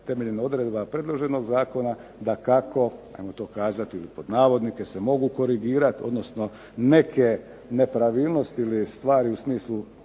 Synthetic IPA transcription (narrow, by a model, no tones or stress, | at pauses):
t̪e̞me̞ʎenao̞d̪ɾe̞d̪bapɾe̞d̪lˠo̞ʒe̞no̞ɡzaːko̞nad̪akako̞a̰jmot̪o̞ːkaːzat̪iilipo̞d̪naːʋo̞d̪nike̞se̞mo̞ɡuko̞ɾiɡiːɾat̪io̞̰d̪no̞sno̞ | ne̞kʰe̞ | ne̞pɾaʋiːlˠno̞st̪iilist̪ʋaːɾiusmiːslˠu